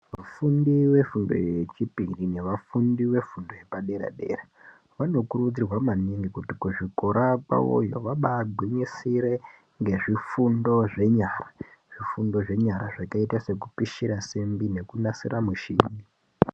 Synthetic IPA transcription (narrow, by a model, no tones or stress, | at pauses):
ʋafundiwe̞fundo̞̰jet͡ʃipirine̞ʋafundiwe̞fundo̞je̞paɗe̞ɾa̰ɗe̞̰ra | ʋano̞kuɾud͡zirwamaniŋɡikutikuʐiko̞ɾapa̰wo̰joʋaɓaɡʱwiɲisiɾe̞ | ŋɡe̞ʐifundo̞ʐe̞ɲaːraʐ̥ifundo̞ʐe̞ɲaɾaʐakaitase̞kupiʃiɾasembine̞kunasiramuʃiːɲi